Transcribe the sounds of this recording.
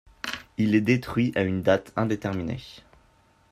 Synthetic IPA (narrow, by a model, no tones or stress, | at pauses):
ilɛd̪et̪χɥiʔaynd̪at̪ɛ̃d̪et̪ɛʁminḛ